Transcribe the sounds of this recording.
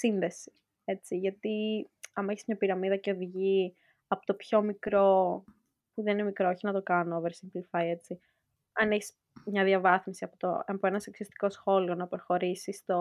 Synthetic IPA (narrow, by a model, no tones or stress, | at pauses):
sinðe̞si̥ | e̞t͡siʝɐt̪iɐmɐeçi̥zmɲɐpiɾɐmiðɐce̞oðiʝi | ɐpot̪o̞pço̞mikɾo̞ | puðeninemikɾooçinɐt̪o̞kɐnoveɾsinplifɐje̞t͡si | ɐneçis | mɲɐðiɐvɐθmisiɐpot̪o̰ɐpoenɐseksoist̪i̥ko̞sxo̞lio̞nɐpeɾxo̞ɾisist̪o̞